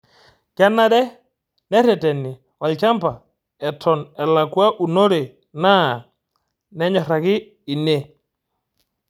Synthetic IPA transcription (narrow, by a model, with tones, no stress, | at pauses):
ka˦nːa˦dɛ˦ | nɛ˦ɾɛ˨tɛ˨nːɪ˨ | wa˨lt͡ʃa˦mpa˨ | ɛ˨tʰɔ˨nɛ˨la˨kwa˦ʔu˨no˦ɾe˨ | na˦˨ | nɛ˦ɲɔ˨ɾa˨kɪː˦˨ | ne˦˨